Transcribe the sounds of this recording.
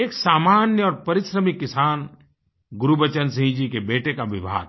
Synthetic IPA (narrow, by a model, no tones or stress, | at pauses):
eːksaːmaːnjəɔːɾpɐɾɪsɾəmɪkːɪsaːn | ɡʊɾubət͡ʃəns̬ĩɦĩd͡ʒikebeːʈekaʋɪbʱa̰ːɡ̚